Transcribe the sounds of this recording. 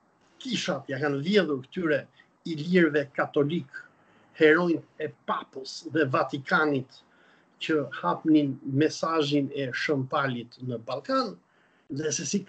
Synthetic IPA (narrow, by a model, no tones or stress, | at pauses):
kiʃat̪jakanvjɛðuɾkə̥t̪yɾɛ | iliɾvɛkat̪ɔlik | hɛɾɔjnt̪ɛpapəsðɛvat̪ikʰanit̪ | cəhapninmɛsaʒinɛʃəmt̪alit̪nəbalˠkan | ðɛsɛsi